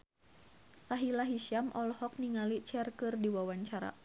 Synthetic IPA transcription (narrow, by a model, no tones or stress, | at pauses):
saɦilaɦisamʔɔlhɔk̚niŋalit͡ʃɛrkɨrdiwawaɲt͡ʃaɾa̰